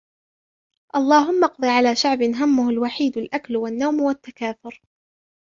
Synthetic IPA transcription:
ʔɑlˤːɑːɦʊmːɑqd̪ˤiʕalaːʃaʕbɪnɦamːʊhʊlwaħiːd̪alʔaklwanːawmwat̪ːakaːθʊɾ

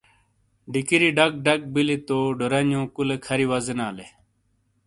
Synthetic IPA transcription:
ɖikiɾiɖɐk̚ɖɐk̚bilit̪oːɖoɾɐnjõːkulekʰɐɾiwɐzɐnaːle

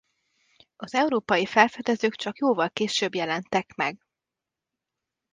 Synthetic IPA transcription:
ɒzɛuɾoːpɒjifɛlfɛd̪ɛzøːkt͡ʃɒkjoːvɒlkeːʃøːbjɛlɛnt̪ɛkmɛɡ

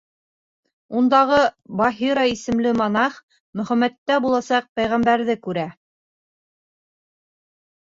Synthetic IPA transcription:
und̪ɑʁɤbɑɦiɾɑisɘ̆mlɘmɑnɑχ | mɵ̆χæmæt̪ːæbulˠɑsɑq̚pæjʁæmbæɾðɘkʉɾæ

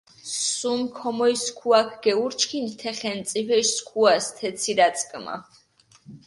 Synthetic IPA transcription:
sumkʰɔmɔiskʰuakʰɡ̥ɛuɾt͡ʃʰkʰint̪ʰɛχɛnt̪sʼipʰɛʃskʰuast̪ʰɛt̪sʰiɾat̪sʼkʼma̰

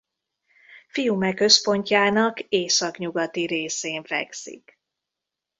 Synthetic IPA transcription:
fijumɛkːø̞spo̞ɲcaːnɒkeːsɒkɲuɡɒt̪iɾeːseːɱvɛ̰ksḭk

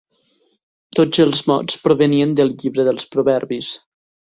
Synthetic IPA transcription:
t̪od͡zəlˠzmɔ̰t͡spɾoβəniənd̪əlˠʎiβɾəðəlˠspɾuβɛɾβis

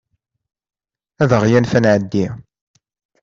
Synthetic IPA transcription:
æðəʁjænfænʕəd̪ːi

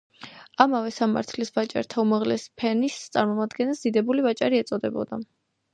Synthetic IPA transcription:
amavɛsama̰ɾt̪ʰlisvat͡ʃʼa̰ɾt̪ʰaumaʁlɛspʰɛnist̪sʼa̰ɾmɔmad̪ɡɛnɛlˠsd̪̥id̪ɛbulivat͡ʃʼaɾiɛt̪sʼɔd̪ɛbɔ̰d̪a

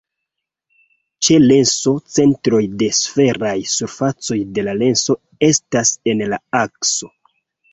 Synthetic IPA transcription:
t͡ʃe̞le̞nso̞t͡se̞ntɾo̞jde̞sfe̞ɾajsuɾfat͡so̞jde̞lale̞nso̞ | e̞stase̞nlaakso̞

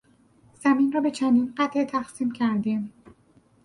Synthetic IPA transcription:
z̥æmiːnrɒːbe̞t͡ʃʰænd̪iːnɢæt̪ʰʔet̪ʰæxsiːmcʰæɾd̪im

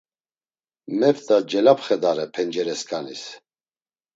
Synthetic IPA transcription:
mɛpt̪ʼad͡ʒɛlapχɛd̪aɾɛpʰɛnd͡ʒɛɾɛskʰʼanis

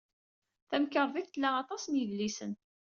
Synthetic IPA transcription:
θæmkəɾˤviθt̪əlːæɑt̪ˤɑsənjəlːisən

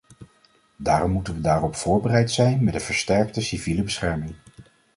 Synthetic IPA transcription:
daːrɔmːutənʋədaːrɔpfʊːɹbərɛjtsɛjnmɛdəv̥əɹstɛɹktəsiviləbəsχɛɹmɪŋ

